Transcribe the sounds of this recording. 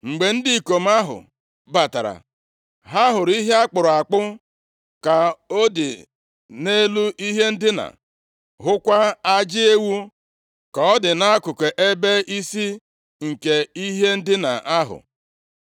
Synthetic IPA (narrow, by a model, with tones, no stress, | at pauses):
ŋ͡m̩˨ɡ͡be˨n̩˦di˦˨ko˨m̩˦a˦ɦʊ̰˨ | ba˨ta̰˨ɾa̰˨ | ɦa˦ɦʊ˨ɾi˦ɦe˦a˦k͡pʊ˨ɾʊ˨a˨k͡pʊ˦ | ka˨o˦dɪ̰˨ | ne˦lu˦ʔi˦ɦe˦n̩˦dɪ˦na̰˨ | ɦʊ˦kʷa˦a˦d͡ʒɪ˦e˦wu˦ | kɔ˨ɔ˦dɪ˨na˦kʊ˨ke˨ʔe˦be˦i˦si˦ | ŋ̩˨ke˨i˦ɦe˦n̩˦dɪ˦na̰˨ʔa˦ɦʊ̰˨